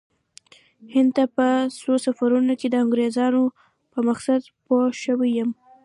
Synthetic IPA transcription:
hɪnd̪̚t̪apəsosafaɾunoked̪əaŋɡɾezɑno | pəmaxsad̪poʃəwijəm

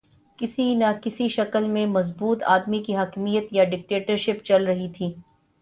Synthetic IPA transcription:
kɪsinakɪsiʃɐkəlmẽmɐzbuːt̪ʰa̰ːd̪mikiɦɐkmijət̪jaɖɪk̚ʈeːʈəɾʃɪpt͡ʃɐlɾɐɦit̪ʰiː

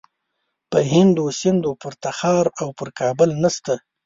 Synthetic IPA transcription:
pəɦɪnd̪osɪnd̪opəɾt̪axɑɾawpəɾkʰɑbʊlnast̪a

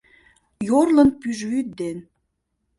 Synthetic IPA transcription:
jorlə̆npyʒyt̪̚d̪en

